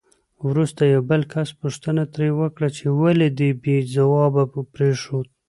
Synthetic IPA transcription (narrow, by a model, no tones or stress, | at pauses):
wɾust̪ajawbəlkʰaspuʂt̪ənat̪ɾewəkɽat͡ʃewaled̪əbezawɑbapɾeʂot̪̚